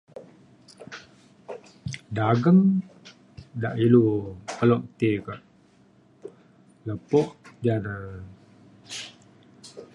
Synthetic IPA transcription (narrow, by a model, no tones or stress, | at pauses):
daɡəŋ | daʔilukəlɔʔt̪ekaʔ | ləpɔʔd͡ʒanə